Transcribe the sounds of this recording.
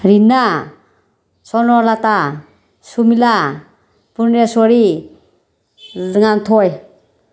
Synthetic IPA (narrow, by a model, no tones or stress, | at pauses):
ɾina | sɔnɔlat̪a | sumila | puɾniasɔɾi | zɯŋant̪ʰɔj